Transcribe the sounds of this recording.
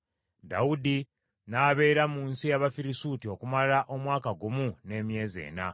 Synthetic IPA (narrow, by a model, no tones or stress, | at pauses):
da̰udi | naːβe̞ːɾamuːnsijaβafiɾisutio̞kumalaʔo̞mwaːkaɡumune̞ːmje̞ːze̞̰ːna̰